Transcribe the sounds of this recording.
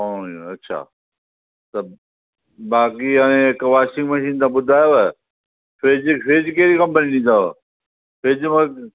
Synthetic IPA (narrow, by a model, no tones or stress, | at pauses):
õːiɐtːʃʰa̰ː | t̪ɐ | baːkiaẽɪkʋaːʃɪ̃ŋɡmɐʃiːnt̪ãɓʊd̪ʱaːjoɛː | feːd͡ʑfʰeːd͡ʑkeːɾikɐ̃mpəninĩːd̪aːo | fʰeːd͡ʑmɐ̃